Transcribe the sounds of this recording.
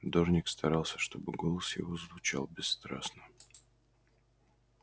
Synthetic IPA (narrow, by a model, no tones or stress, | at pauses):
d̪oʐnʲɪkst̪ʰɐɾalˠsʲə̥ʂt̪o̞bɨɡolˠəsjɪ̰vo̞zvʊt͡ɕa̰lˠbʲɪsːt̪ɾa̰snə